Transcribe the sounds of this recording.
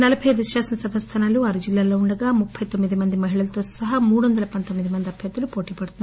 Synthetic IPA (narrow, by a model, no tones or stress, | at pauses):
nɐlɐpʰɐjd̪iʃjaːsɐnɐsɐbʱɐst̪ʰɐnaluɐɾud͡ʒilːaːloːuɳɖɐɡaːmupʰːɐjt̪omːid̪imɐnd̪imɐɦiɭɐlɐt̪o̞ːsɐɦɐmuːɽuond̪ɐlɐpɐnt̪omːid̪imɐnd̪iɐbʱjɐt̪ːɐlupo̞ːʈiːpɐɽt̪un